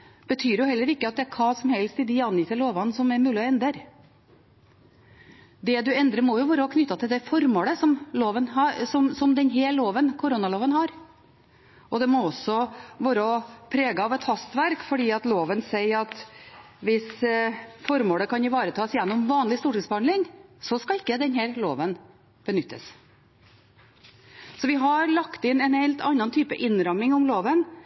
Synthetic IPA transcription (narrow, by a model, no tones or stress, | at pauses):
b̥ət̪ʰyːɾjʊhɛlːəɾɪkːəɑt̪̚d̪ɛæɾkʰɑːsɔmhɛlst̪ɪd̪ɪɑnjiːt̪əloːʋɑnsɔmæɾmʉːlɪɔɛnd̪ɾəɾ | d̪ɛd̪ʉɛnd̪ɾəɾmɔjʊʋɑːɾəhɑkʰnʏt̪ːɑt̪ʰɪld̪ɛfɔɾmoːɽəsɔmloːʋənɑsɔmsɔmd̪ɛnɦɛloːʋənkʰʊɾunɑloːʋənhɑɾ | ʔɔd̪ɛmɔɔsːɔʋɑːɾəɔpʰɾeːɡɑɑʋɛt̪hɑst̪ʋæɾkfɔɖiːɑt̪loːʋənsɛɪɾɑt̪ʋɪs | fɔɾmoːləkɑnɪʋɑːɾət̪ʰɑːsjɛnːɔmʋɑːnlɪst̪uːʈɪsbɑːɳlɪŋsɔskɑlɪkːəd̪ɛnhæːɾlo̰ːʋən | b̥ənʏt̪ʰːə̰s | sɔʋɪɦɑɾɭɑkt̪ɪnɛnhɛɪlt̪ʰɑnːɑnt̪ʰyːpə̰ʔɪnɾɑmɪŋʊmloːʋən